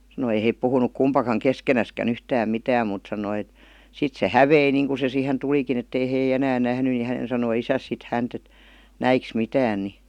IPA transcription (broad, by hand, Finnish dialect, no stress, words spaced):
sɑnoi ei heˑip puhunuk kumpɑkɑŋ keskenæskæn yhtæːm mitæːm muˑt sɑnoi et sit se hæʋei niːŋku se siːhen tulikin etːei hei enæːn næhny ni hænen sɑnoi isæs sit hænt et næiks mitæːn ni